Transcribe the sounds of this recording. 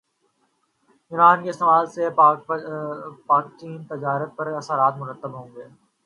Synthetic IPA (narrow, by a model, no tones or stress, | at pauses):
ɪɾaːnkeɪst̪eːmaːlse | paːk̚t͡ʃiːnt̪ɪd͡ʒaːɾət̪̚pɐɾɐsəɾaːt̪mʊɾət̪ːəbɦõːŋɡeː